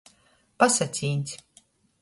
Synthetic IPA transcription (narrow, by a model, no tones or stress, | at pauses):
pasat̪sʲiːnʲt̪ʲ